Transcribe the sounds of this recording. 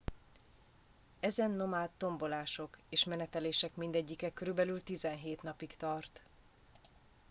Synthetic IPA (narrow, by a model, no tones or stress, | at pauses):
ɛzɛnːo̞maːlt̪ːo̞mbo̞laːʃo̞k | eːʃmɛnɛt̪ɛleːʃɛkmind̪ɛɟːikɛkːø̞ɾybɛlylt̪izɛnɦeːt̪nɒpikt̪ɒrt̪